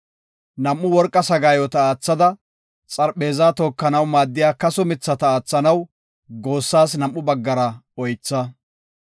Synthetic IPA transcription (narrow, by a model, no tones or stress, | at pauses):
nɐmʔːʊwɔɾkʼːɐsɐɡaːjɔt̪ɐaːt͡sːɐd̪ɐ | t͡sʼɐɾɓe̞ːzaːt̪ɔːkːɐnɐwmaːd̪ːɪjaːkɐsʊmɪt͡sːɐt̪ɐaːt͡sːɐnɐw | ɡo̞ːsːaːs̬nɐmːʊbɐɡːɐɾɐɔjt͡sːɐ